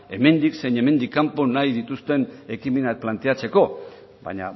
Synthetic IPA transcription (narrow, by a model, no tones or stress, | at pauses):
e̞me̞nd̪ikse̞jɲe̞me̞nd̪ikːampo̞najðit̪ust̪e̞ne̞kimenak̚plant̪e̞at͡se̞ko̞ | ba̰ɲa̰